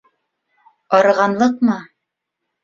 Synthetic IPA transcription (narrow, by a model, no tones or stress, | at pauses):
ɑɾɤ̆ʁɑnlˠɤq̚mɤ